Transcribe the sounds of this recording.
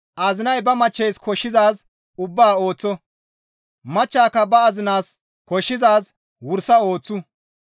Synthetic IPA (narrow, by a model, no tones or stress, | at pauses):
ʔaːzɪnɐjbɐmɐt͡ʃːɛjskɔʃːɪzaːs | ʊbːaːo̞ːt͡sːɔ | mɐt͡ʃːaːkːɐbɐɐzɪnaːs | kɔʃːɪzaːs | wʊɾsɐo̞ːt͡sːʊ